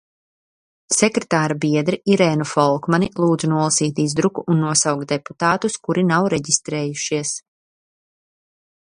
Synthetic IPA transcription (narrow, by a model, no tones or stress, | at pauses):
sɛkɾet̪aːɾabiɛd̪ɾiʔiɾɛːnufɔlˠkmanilˠuːd̪zunuɔlˠasiːt̪izd̪ɾukuʔːnːuɔsawkt̪d̪epu̥t̪aːt̪uskuɾinawɾɛɟist̪ɾɛːjuʃiɛs